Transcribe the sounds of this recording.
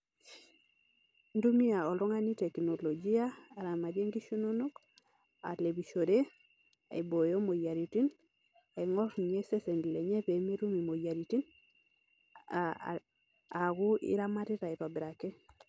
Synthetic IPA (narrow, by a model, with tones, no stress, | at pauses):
ndu˦mi˦a˨ɔ˨lɔ˦ŋa˦ni˦tɛ˨kno˨lo˨d͡ʒi˦aː˦˨ɾa˨ma˨ɾje˦ŋɡi˦ʃo˦no˦no˦k | a̰˨le˨βi˨ʃo˨ɾe˦ | a˨i˨bo˨jo˦mo˨ja˨ɾi˨ti˦n | a˨i˨ŋɔ˦ɾɲe˦se˦se˨ndi˨le˨ɲɛ˦pe˨me˦ɾu˦mi˨mo˨ja˨ɾi˨ti˦n | a˨ɡʊ˦ʔḭ˦ɾa˦ma˦ɾɪ˦ɾa˨i˨pa˨bɪ˨ɾa˨kɛ˦